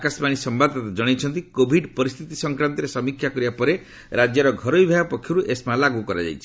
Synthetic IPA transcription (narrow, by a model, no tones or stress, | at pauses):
akasmañisɔmbad̪ɔt̪ad͡ʒɔɽ̃et͡ʃʰɔnt̪ikobʱiɖpɔɾist̪ʰit̪isɔŋkɾant̪ɔɾesɔmikʰːjakɔɾibapɔɾe | ɾad͡ʒjɔɾɔɡʱɔɾɔibʱajɔpɔkʰːjɔɾuʔesmalaɡukɔɾa̰d͡ʒa̰jt͡ʃʰi̥